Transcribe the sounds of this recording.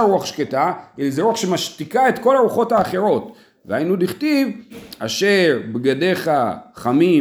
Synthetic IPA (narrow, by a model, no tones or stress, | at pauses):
ɾuaχʃketaelzeɾuaχʃe̞maʃtikae̞t̪ko̞laʁuχo̞thaːχe̞ɾo̞t | veainudiχtiva̰ʃeʁbɡade̞χaχami